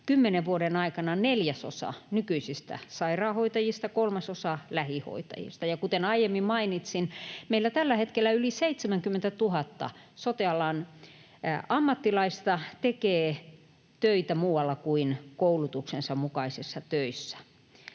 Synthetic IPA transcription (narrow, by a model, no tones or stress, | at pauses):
kymːeneʋʋuoɾenɑikɑnɑneljæso̰sɑ̰nykyisist̪æ̰sɑirɑːhoit̪ɑjist̪ɑkolmɑsosɑlæhiho̰it̪ɑ̰jḭst̪ɑjɑkut̪enɑijemːimmɑinit̪sinmeilːæt̪ælːæhet̪kelːæyliseit̪semæŋkymːent̪æt̪uhɑt̪ːɑ̰sot̪iɑlɑn | ɑmːɑt̪ːilɑist̪ɑt̪ekeː | t̪øit̪æmuːwɑlːɑkuinkoulut̪uksensɑmmukɑisisːɑt̪øisːæ̥